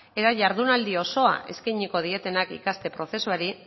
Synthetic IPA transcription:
e̞t̪aʝaɾðunald̪io̞so̞a̰ʔe̞̰skajɲiko̞ð̞ie̞t̪e̞nakḭkast̪e̞pɾo̞θe̞suaɾi

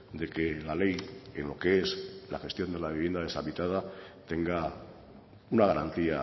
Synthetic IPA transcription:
d̪e̞ke̞lale̞jḛnlo̞keesla̰xe̞st̪jo̞nd̪elaβiβje̞nd̪aðe̞saβit̪að̞at̪e̞ŋɡa | unaɣaɾa̰nt̪ia

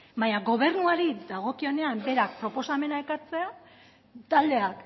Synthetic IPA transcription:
baɲaɡo̞β̞e̞ɾnuaɾid̪aɣ̞o̞kio̞ne̞ambe̞ɾak̚pɾo̞po̞same̞naekat͡se̞a | t̪ald̪e̞ak

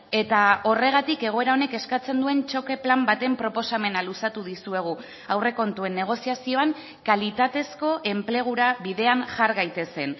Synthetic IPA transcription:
e̞t̪ao̞re̞ɣ̞at̪ike̞ɣ̞o̞e̞ɾaone̞ke̞skat͡se̞nd̪ue̞nt͡ʃo̞ke̞plambat̪e̞mpɾo̞po̞same̞nalusat̪uðisue̞ɣ̞u | awre̞ko̞nt̪ue̞nːe̞ɣ̞o̞siasio̞aŋ | kalit̪at̪e̞sko̞ʔe̞mple̞ɣ̞uɾaβiðe̞anʝaɾɣajt̪e̞se̞n

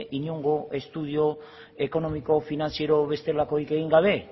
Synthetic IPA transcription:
ʔiɲuŋɡoʔe̞st̪uð̞jo | e̞ko̞no̞miko̞finansje̞ɾoβe̞st̪elakojkeɣiŋɡaβe̞

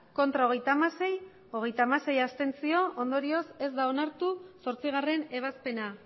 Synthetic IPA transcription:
ko̞nt̪ɾao̞ɣ̞e̞jt̪amasej | o̞ɣ̞e̞jt̪aːmase̞jast̪e̞nt͡sio̞ond̪o̞ɾio̞se̞zd̪ao̞naɾt̪uso̞ɾt͡siɣ̞are̞ne̞β̞aspe̞na

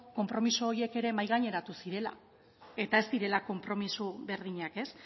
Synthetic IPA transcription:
ko̞mpɾo̞misooɾie̞ke̞ɾe̞majɣ̞aɲe̞ɾat̪usiɾe̞la̰ | e̞t̪ae̞zt̪iɾe̞lako̞mpɾo̞misuβe̞ɾð̞iɲake̞s

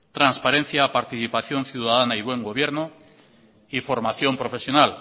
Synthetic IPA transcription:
t̪ɾanspaɾe̞n̟θjapaɾt̪iθipaθjo̞nθjuwðaðanaiβwe̞ŋɡo̞β̞jeɾno | ifo̞ɾmaθjo̞mpɾo̞fe̞sjo̞nal

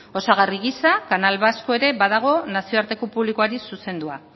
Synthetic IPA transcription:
o̞saɣariɣisakanalβaskoe̞ɾe̞baðaɣ̞o̞nasio̞aɾt̪e̞kupuβlikoaɾisuse̞nd̪ua

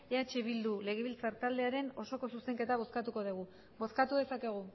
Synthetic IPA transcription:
eat͡ʃeβ̞ild̪ule̞ɣ̞eβilt͡saɾt̪ald̪e̞aɾe̞no̞so̞ko̞suse̞ŋke̞t̪aβ̞o̞skat̪uko̞ðiɣ̞u | bo̞skat̪uðe̞sake̞ɣ̞u

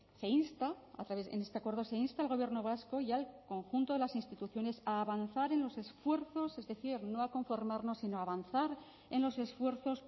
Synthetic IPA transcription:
se̞inst̪aa̰t̪ɾaβesḛne̞st̪eakwe̞ɾðo̞se̞inst̪alɣ̞o̞βje̞ɾno̞β̞asko̞ʝalko̞ŋxunt̪o̞ðe̞lasinst̪it̪uθjo̞ne̞saːβanθaɾe̞nlo̞se̞sfwe̞ɾθo̞se̞zðe̞θiɾno̞ako̞ɱfo̞ɾmaɾno̞sinoaːβanθaɾ | e̞nlo̞se̞sfwe̞ɾθo̞s

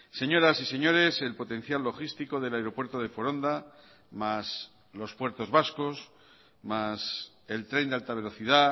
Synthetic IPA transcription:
se̞ɲo̞ɾasise̞ɲo̞ɾe̞se̞lpo̞t̪ẽ̞n̟θjalːo̞xist̪iko̞ðe̞laeɾo̞pwe̞ɾt̪oð̞e̞foɾo̞nd̪a | mas | lo̞spwe̞ɾt̪o̞zβasko̞s | mas | e̞lt̪ɾe̞nd̪ealt̪aβ̞e̞lo̞θiða

